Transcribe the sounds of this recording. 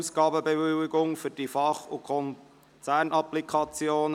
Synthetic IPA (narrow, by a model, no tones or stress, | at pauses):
usɡ̥ɑːbəbevɪwɪɡʊŋfʏɾd̥ifɑχukʰɔn | t͡sæːɾnʔɑplikʰɑt͡sjoːn